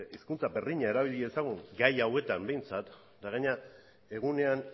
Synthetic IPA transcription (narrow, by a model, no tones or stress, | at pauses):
iskunt͡sabe̞rðiɲae̞ɾaβ̞iʎiesaɣ̞uŋɡajawe̞t̪ambe̞jnt͡sat̪ | d̪aɣ̞aɲa | e̞ɣ̞une̞an